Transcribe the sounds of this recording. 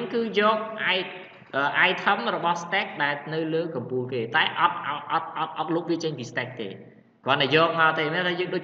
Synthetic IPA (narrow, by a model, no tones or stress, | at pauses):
ŋkɨːjɔːk̚ʔaɛ | ʔəːʔaɛjt̪ʰəmrɔɓɑhst̪ɛk̚ɗaɛlnɨwləːkɑmpuːlkeːt̪aɛʔɑt̪̚ʔt̪̚ʔɑt̪̚ʔɑt̪̚ʔɑt̪̚luːk̚ʋiət͡ɕəɲpiːst̪ɛk̚t̪ḛː | kŏənɗaɛjɔːk̚maəlt̪eːnɛt̪ʰaːjəːŋɗoː